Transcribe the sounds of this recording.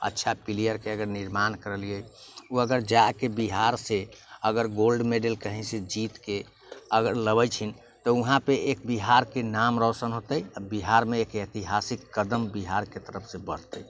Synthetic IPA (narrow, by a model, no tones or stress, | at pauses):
ə̰tːʃʰapilijəɾkeəɡəɾniɾmankəɾəliəuəɡəɾd͡ʒakebiɦaɾseəɡəɾɡolɖmeɖəlkəɦĩsed͡ʒit̪ke | əɡəɾləbət͡ʃʰin | t̪ɔuɦãpeekbiɦaɾkenamɾəsənɦot̪əjabiɦaɾmeːket̪iɦasikːəd̪əmbiɦaɾket̪əɾəpʰsẽbəɽ̤t̪əj